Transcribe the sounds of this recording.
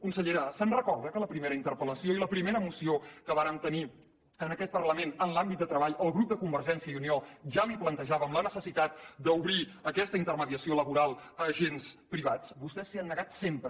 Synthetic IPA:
kunsəʎeɾəsənrəkɔɾðəkələpɾimeɾəint̪əɾpələsioiləpɾimeɾəmusiokəβ̞aɾəmt̪əni | ənəkɛt̪̚pərləmenənlambit̪̚d̪ət̪ɾəβ̞aʎəlˠɣɾup̚d̪əkumbəɾʒɛnsiəiunioʒaliplənt̪əʒaβəmlənəsəsit̪at̪̚d̪əuβɾiəkɛst̪əint̪ərməðiəsioləβuɾalˠəːʒenspɾiβ̞at͡sbust̪ɛsliənːəɣat̪sempɾə

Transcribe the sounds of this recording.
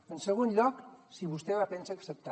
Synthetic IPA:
ənseɣ̞onʎɔksiβust̪eβapensaksep̚t̪a

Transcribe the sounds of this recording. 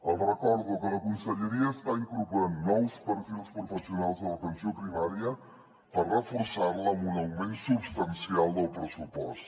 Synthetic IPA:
əlˠrəkɔɾðukələkunsəʎəɾiəːst̪aiŋkuɾpuɾanːɔwspəɾfilˠspɾufəsiunalˠzðələpənsiopɾimaɾjə | pərrəfuɾsaɾləmunəlmensubst̪ənsialˠd̪əlˠpɾəsupɔ̰st̪

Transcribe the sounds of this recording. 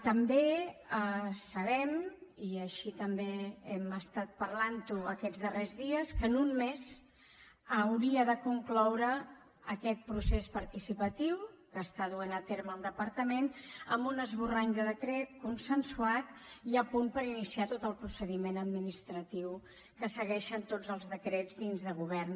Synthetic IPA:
t̪əmbeəsəβɛmiəʃit̪əmbeɛməst̪at̪̚pəɾlant̪uəkɛd͡zðərezðiəskənunmez | əwɾiəðəkuŋklɔwɾəː | kɛt̪̚pɾusespəɾt̪isipət̪iwkəst̪aðuenət̪eɾməlˠd̪əpəɾt̪əmenəmbunəzβuraɲd̪əðəkɾɛt̪kunsənsuat̪iəpunpəɾinisiat̪ot̪əlˠpɾusəðimenəd̪minist̪ɾət̪iw | kəsəɣɛʃənt̪od͡zəlˠzðəkɾɛd͡zd̪inzðəɣuβ̞ɛrn

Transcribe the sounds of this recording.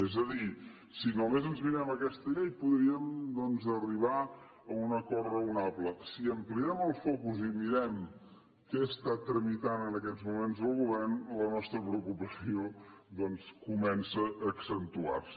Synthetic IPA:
ezəði | sinomezənzmiɾɛməkɛst̪əʎejpuðɾiəmd̪ɔnzəriβa | əunəkɔrrəunaβləsiəmpliɛməlˠfɔkuzimiɾɛm | kɛəst̪at̪ɾəmit̪anənəkɛzmumenzðəlˠɣuβɛrnlənɔst̪ɾəpɾəukupəsiod̪ɔnskumɛnsəʔəːksənt̪ua̰rsə

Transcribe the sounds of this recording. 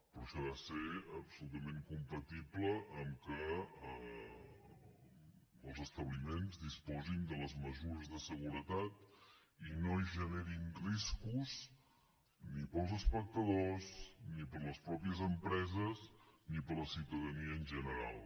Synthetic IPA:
pɾɔʃɔðaseəpsulut̪əmeŋkumpət̪ipləʔːmkəə | lˠzəst̪əβlimenzd̪ispɔzind̪ələzməzuɾəzðəsəɣuɾət̪at̪inoiʒəneɾiŋriskuz | nipəlˠzəspək̚t̪əðoznipəɾləspɾɔpiəzəmpɾɛzəznipələsiwt̪əðəniəːnʒənəɾa̰lˠ

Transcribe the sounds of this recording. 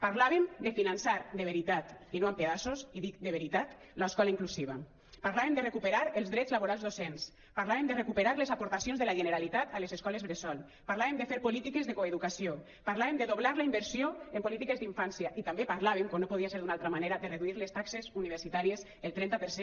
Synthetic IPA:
paɾlaβemd̪efinansaɾd̪eβ̞eɾit̪at̪inoampeðasosiðik̚d̪eβeɾit̪at̪ | laeskɔlaiŋklusiβ̞a̰ | paɾlaβemd̪erekupeɾaɾelˠzðɾɛzlaβoɾalˠzðosens | paɾlaemd̪erekupeɾaɾlezapoɾt̪asjonzðelaʒeneɾalit̪at̪alezeskɔlezβɾesɔl | paɾlaβemd̪efeɾpolit̪ikezðekoeðukasio | paɾlaβemd̪eðoβ̞laɾlaimbeɾsijoempolit̪ikezd̪iɱfansjaʔit̪ambepaɾlaβemkonopoð̞iaseɾðunalˠt̪ɾamaneɾaðereðuiɾlest̪aksezuniβeɾsit̪aɾiez | elˠt̪ɾɛnt̪apeɾse

